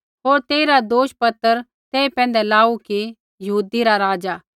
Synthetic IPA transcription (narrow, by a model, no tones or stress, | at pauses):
ɦoːɾt̪eːiɾad̪oːʃpɐt̪ːəɾ | t̪eːipɛ̃ːnd̪ɛlaːuki | jɐɦuːd̪iɾaɾaːd͡ʒaː